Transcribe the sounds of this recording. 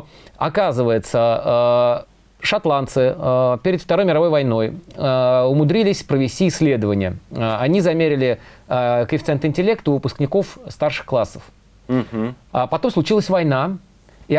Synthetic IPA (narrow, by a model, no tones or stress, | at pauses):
ɐ̰kazɨvəjɪt̪sə | ʂɐt̪lˠant̪sɨpʲeɾʲɪt̪ft̪ɐɾo̞jmʲɪɾɐvo̞jvɐjno̞j | ʊmʊd̪ɾʲilʲɪsʲpɾəvʲɪsʲtʲiːsʲːlʲe̞d̪əvənʲɪjəɐnʲizɐmʲeɾʲɪlʲɪ | kɪfʲɪt̪sɛnt̪ɨnʲtʲɪlʲe̞kt̪ʊʊpʊsknʲɪko̞fst̪arʂɨ̥xklˠasːəf | pɐt̪o̞mslˠʊt͡ɕilˠəsʲvɐjna | i